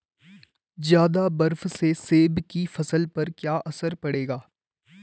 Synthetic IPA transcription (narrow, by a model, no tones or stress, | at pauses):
zjaːd̪abɐɾfseseːbkifɐsəlpɐɾkjaːʔɐsəɾpɐɽeːɡaː